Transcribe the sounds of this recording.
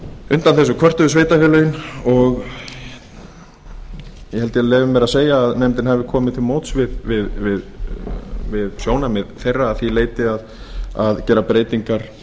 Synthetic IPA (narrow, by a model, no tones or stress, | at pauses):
ʏnt̪anθɛsːʏkʰvœr̥t̪ʏvɪsveːjt̪afɛlœjʏnɔɣ | jɛhɛlt̪ɪɛlɛːvʏmːɛɾaseːjaːðnemt̪ɪnhɛvɪkʰɔːmɪðt̪ʰɪlmoːwt̪svɪðvɪðvɪð | vɪðsjoːwnamɛðθejrːaːðθileːjt̪ɪað | aðcɛːɾapɾeːjt̪iŋkaɾ̥